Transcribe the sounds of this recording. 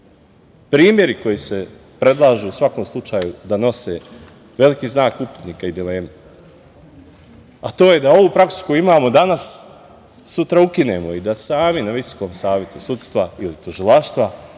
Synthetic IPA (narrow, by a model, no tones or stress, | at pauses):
pɾiːmje̞ɾiko̞jise̞ | pɾe̞d̪lˠaːʒuusʋako̞ːmslˠut͡ʃaːjud̪ano̞se̞ | ʋe̞likiːznaːkupi̥t̪niːkaid̪ile̞ːme | at̪o̞ːje̞d̪ao̞ʋupɾaksu̥kojuimaːmo̞d̪anasː | ut̪ɾaukine̞moid̪asaːminaʋiso̥ko̞ːmsaːʋje̞t̪usut̪st̪ʋailit̪uʒilˠaʃt̪ʋa